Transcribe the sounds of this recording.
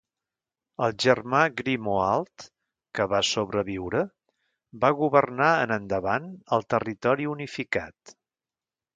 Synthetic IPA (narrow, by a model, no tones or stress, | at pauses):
əlˠʒərmaɡɾimoalˠt̪ | kəβasoβɾəβiwɾə | baɣuβərnaənənd̪əβanəlˠt̪ərit̪ɔɾiunifika̰t̪